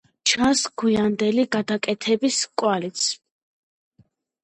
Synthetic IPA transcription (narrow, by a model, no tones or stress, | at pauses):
t͡ʃʰansɡujand̪ɛliɡad̪akʼɛt̪ʰɛbiskʼwalit̪sʰ